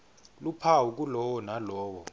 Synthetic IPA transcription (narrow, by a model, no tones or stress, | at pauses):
lupʰawuk̬ulɔwɔnalɔːwɔ